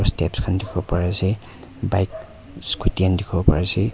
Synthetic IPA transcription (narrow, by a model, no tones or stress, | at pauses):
ɔstɛpskʰandikʰɔbɔpaɹasɛ | bajk | skutiandikʰɔbɔpa̰ɹasɛ